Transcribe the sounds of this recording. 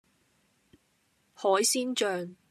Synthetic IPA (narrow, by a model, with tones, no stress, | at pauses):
hɔː˨˥jsiː˥nt͡ʃœː˧ŋ